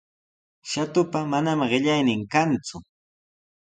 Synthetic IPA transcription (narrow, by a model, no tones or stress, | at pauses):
ʃat̪ʊpamanamɢɪʎajnɪŋkant͡sʊ